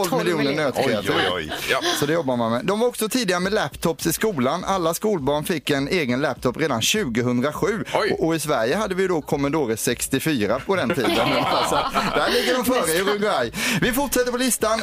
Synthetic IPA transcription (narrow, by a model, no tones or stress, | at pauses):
ɔlvmɪlɪuːnənøːt̪kʰɾɛat̪ʰɪ | sɔd̪ɛjɔbːaɾmanmɛd̪ɔmvaɾɔksɔt̪ʰiːd̪ɪɡaɾəmɛlæpt̪ʰɔpsɪskuːlanalːaskuːlbɑːɳfɪkːɛneːɡənlɛp̚t̪ʰɔpːɾeːd̪anɕʉ̟ːɡəɦɵnd̪ɾaɧʉ̟ːɔɪsvæɾjəɦad̪ːəvɪjɵd̪ɔkʰɔmand̪oːɾəʂɛkst̪ɪfyːɾapʰɔd̪ɛnt̪ʰiːnd̪ənasɔd̪æɭɪɡːəɖɔmfœːɾəɾɵɡajvɪfʊʈʂɛt̪ːəɾpɔlɪst̪an